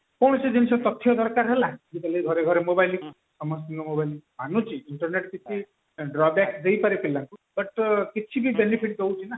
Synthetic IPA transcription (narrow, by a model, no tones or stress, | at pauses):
kɔɽ̃ɔsed͡ʒinisɔt̪ɔt̪ʰːjɔd̪ʱɔɾkaɾɦelad͡ʒit̪aleɡʱɔɾeɡʱɔɾemobajli | sɔmɔst̪iŋɡɔmobajlbʱanut͡ʃʰiiɳʈɔɾneʈkit͡ʃʰi | ɖɾɔbɛksd͡ʒejpaɾipilaŋkubʌʈkit͡ʃʰibibenipʰiʈd̪ʱewt͡ʃʰina